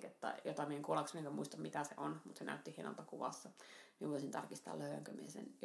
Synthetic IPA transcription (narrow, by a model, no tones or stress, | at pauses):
ket̪ːɑ̰jot̪ɑmieeŋkuolɑksmieŋkømuist̪ɑmmit̪æsḛʔonmut̪senæ̰yt̪ːihieno̰lt̪ɑkuʋɑ̰sːɑmieʋoˑisint̪ɑrkist̪ɑ̰ːløyʋæ̰ŋkømiesḛn